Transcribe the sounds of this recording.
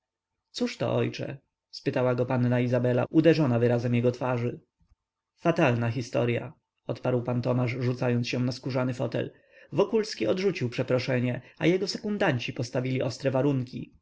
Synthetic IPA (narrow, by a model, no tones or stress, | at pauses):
t̪suʂt̪ɔ̰ʔɔ̰jt͡ʂɛ̰ | spɘt̪awaɡɔpanːaizabɛla̰ud̪ɛʐɔnavɘɾazɛmjɛɡɔt̪faʐɘ | fat̪alnaxʲist̪ɔ̰ɾja̰ | ɔt̪paɾwpant̪ɔmaʐʐut̪sajɔnt̪sɕɛ̃naskuʐanɘfɔt̪ɛ̰l | vɔkulskʲiɔd̪ʐut͡ɕiwpʂɛpɾɔʂɛɲɛajɛɡɔsɛkund̪aɲt͡ɕipɔst̪avʲilʲiʔɔst̪ɾɛvaɾuŋkʲḭ